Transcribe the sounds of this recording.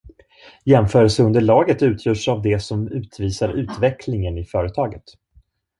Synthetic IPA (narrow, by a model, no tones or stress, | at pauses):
jɛmfœːɾəlsəɵnd̪əɭɑːɡət̪ʉ̟ːt̪ʰjœːʂavd̪ɛsɔmʉ̟ːt̪ʰviːsaɾʉ̟ːt̪vɛkʰlɪŋənɪfœːɾət̪ʰɑːɡət̪